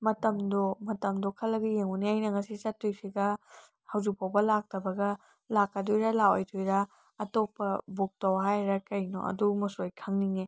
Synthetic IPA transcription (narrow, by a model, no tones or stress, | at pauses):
mɐtɐmdomɐtɐmdokʰɐlːɐɡɐjeŋuniajnɐŋɐsisɐtːojsiɡɐ | hɐwzik̚pʰawbɐlak̚tɐbɐɡɐ | lakːɐdojɾɐlawojdojɾɐ | ɐtopːɐbok̚tɐwɦajɾɐkɐjno̰ɐ̰dumɐsojkʰaŋniŋe